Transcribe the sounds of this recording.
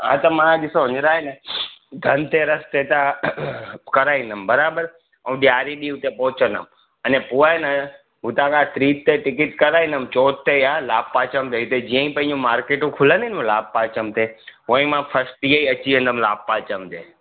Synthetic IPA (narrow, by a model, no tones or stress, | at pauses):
ɦã̰ːt̪ɐmãːɗɪsoɦʊɲɪɾaːenəɡʱɐnt̪eɾɐst̪et̪a | kɐɾaːĩnd̪əmbɐɾaːbəɾ | ɐ̃ɗjaːɾiɗiːɦʊt̪epɔːʊt͡ɕə̃nəm | ɐnẽpuaːenə | ɦʊt̪ãːkʰãt̪ɾiːt̪t̪eʈɪkɪʈkɐɾaːĩnd̪əmt͡ɕoːt̪t̪ːejalaːb̚paːt͡ɕəmt̪ʰeʊt̪ed͡ʑiːə̃ĩpɐ̃ɦɪ̃ɲd͡ʑũmaːɾkeːʈũkʰʊlə̃nd̪ʱiñlaːb̚paːt͡ɕəmt̪ʰeɦõĩmãpʰɐsʈiːeiɐt͡ɕiə̃nd̪əmlaːb̚paːt͡ɕəmt̪eː